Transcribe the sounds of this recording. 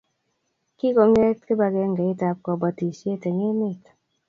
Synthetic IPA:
ki˦kɔ˨ŋɛ˦tkɪ˦ba˨ɡɛ˦ŋɡɛ˨i˦ta˨p̚kɔ˨ba˨ti˨sje˦˨tɛ˨ŋe˦mɪ˦˨t

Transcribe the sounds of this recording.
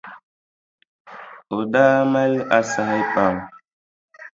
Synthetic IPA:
o˨da˦ma˦la˦sa˨ha˦jpa˨m

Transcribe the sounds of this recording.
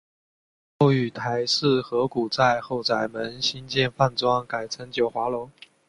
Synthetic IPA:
xo˥˩ʊy˨˩t̪ʰa˧˥ɪʂɹ̩˥˩xɤ˧˥ku˨˩t͡sa˥˧ɪxo˥˩ʊt͡sa˧˨˩ɪmə˧˥nɕi˥nt͡ɕjɛ˥˧nfa˥˩nt͡swɑ˥ŋka˨˩ɪt͡sʰə˧˥ŋt͡ɕjo˨˩ʊxwa˧˥lʊ˧˥ŋ

